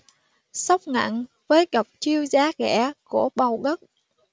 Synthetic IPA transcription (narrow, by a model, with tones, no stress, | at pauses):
sa˦˥wk͡p̚ŋa̰˧˨n | vəː˨˦jɣə˨˩wk͡p̚t͡ɕi˧əwzaː˨˦ɣɛ̰˧˩ku˧˩əɓa˨˩wɣə˦˥t̚